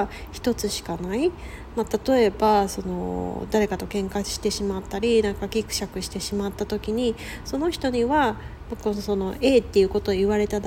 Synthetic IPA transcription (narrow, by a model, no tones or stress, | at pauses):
çi̥t̪o̞t͡sɨɕi̥kanai | mat̪at̪o̞e̞baso̞no̞̰d̪aɾe̞kat̪o̞kẽ̞ŋkḁɕi̥t̪e̞ɕimat̪ːaɾʲinãŋkakʲikɯ̟̥ɕakɯ̟ɕi̥t̪e̞ɕimat̪ːat̪o̞kʲiɲ̟i | so̞no̞çi̥t̪o̞ɲ̟iβa | mkoso̞no̞ʔe̞ːt̪ːe̞jɯ̟ko̞t̪o̞iβaɾe̞t̪ad̪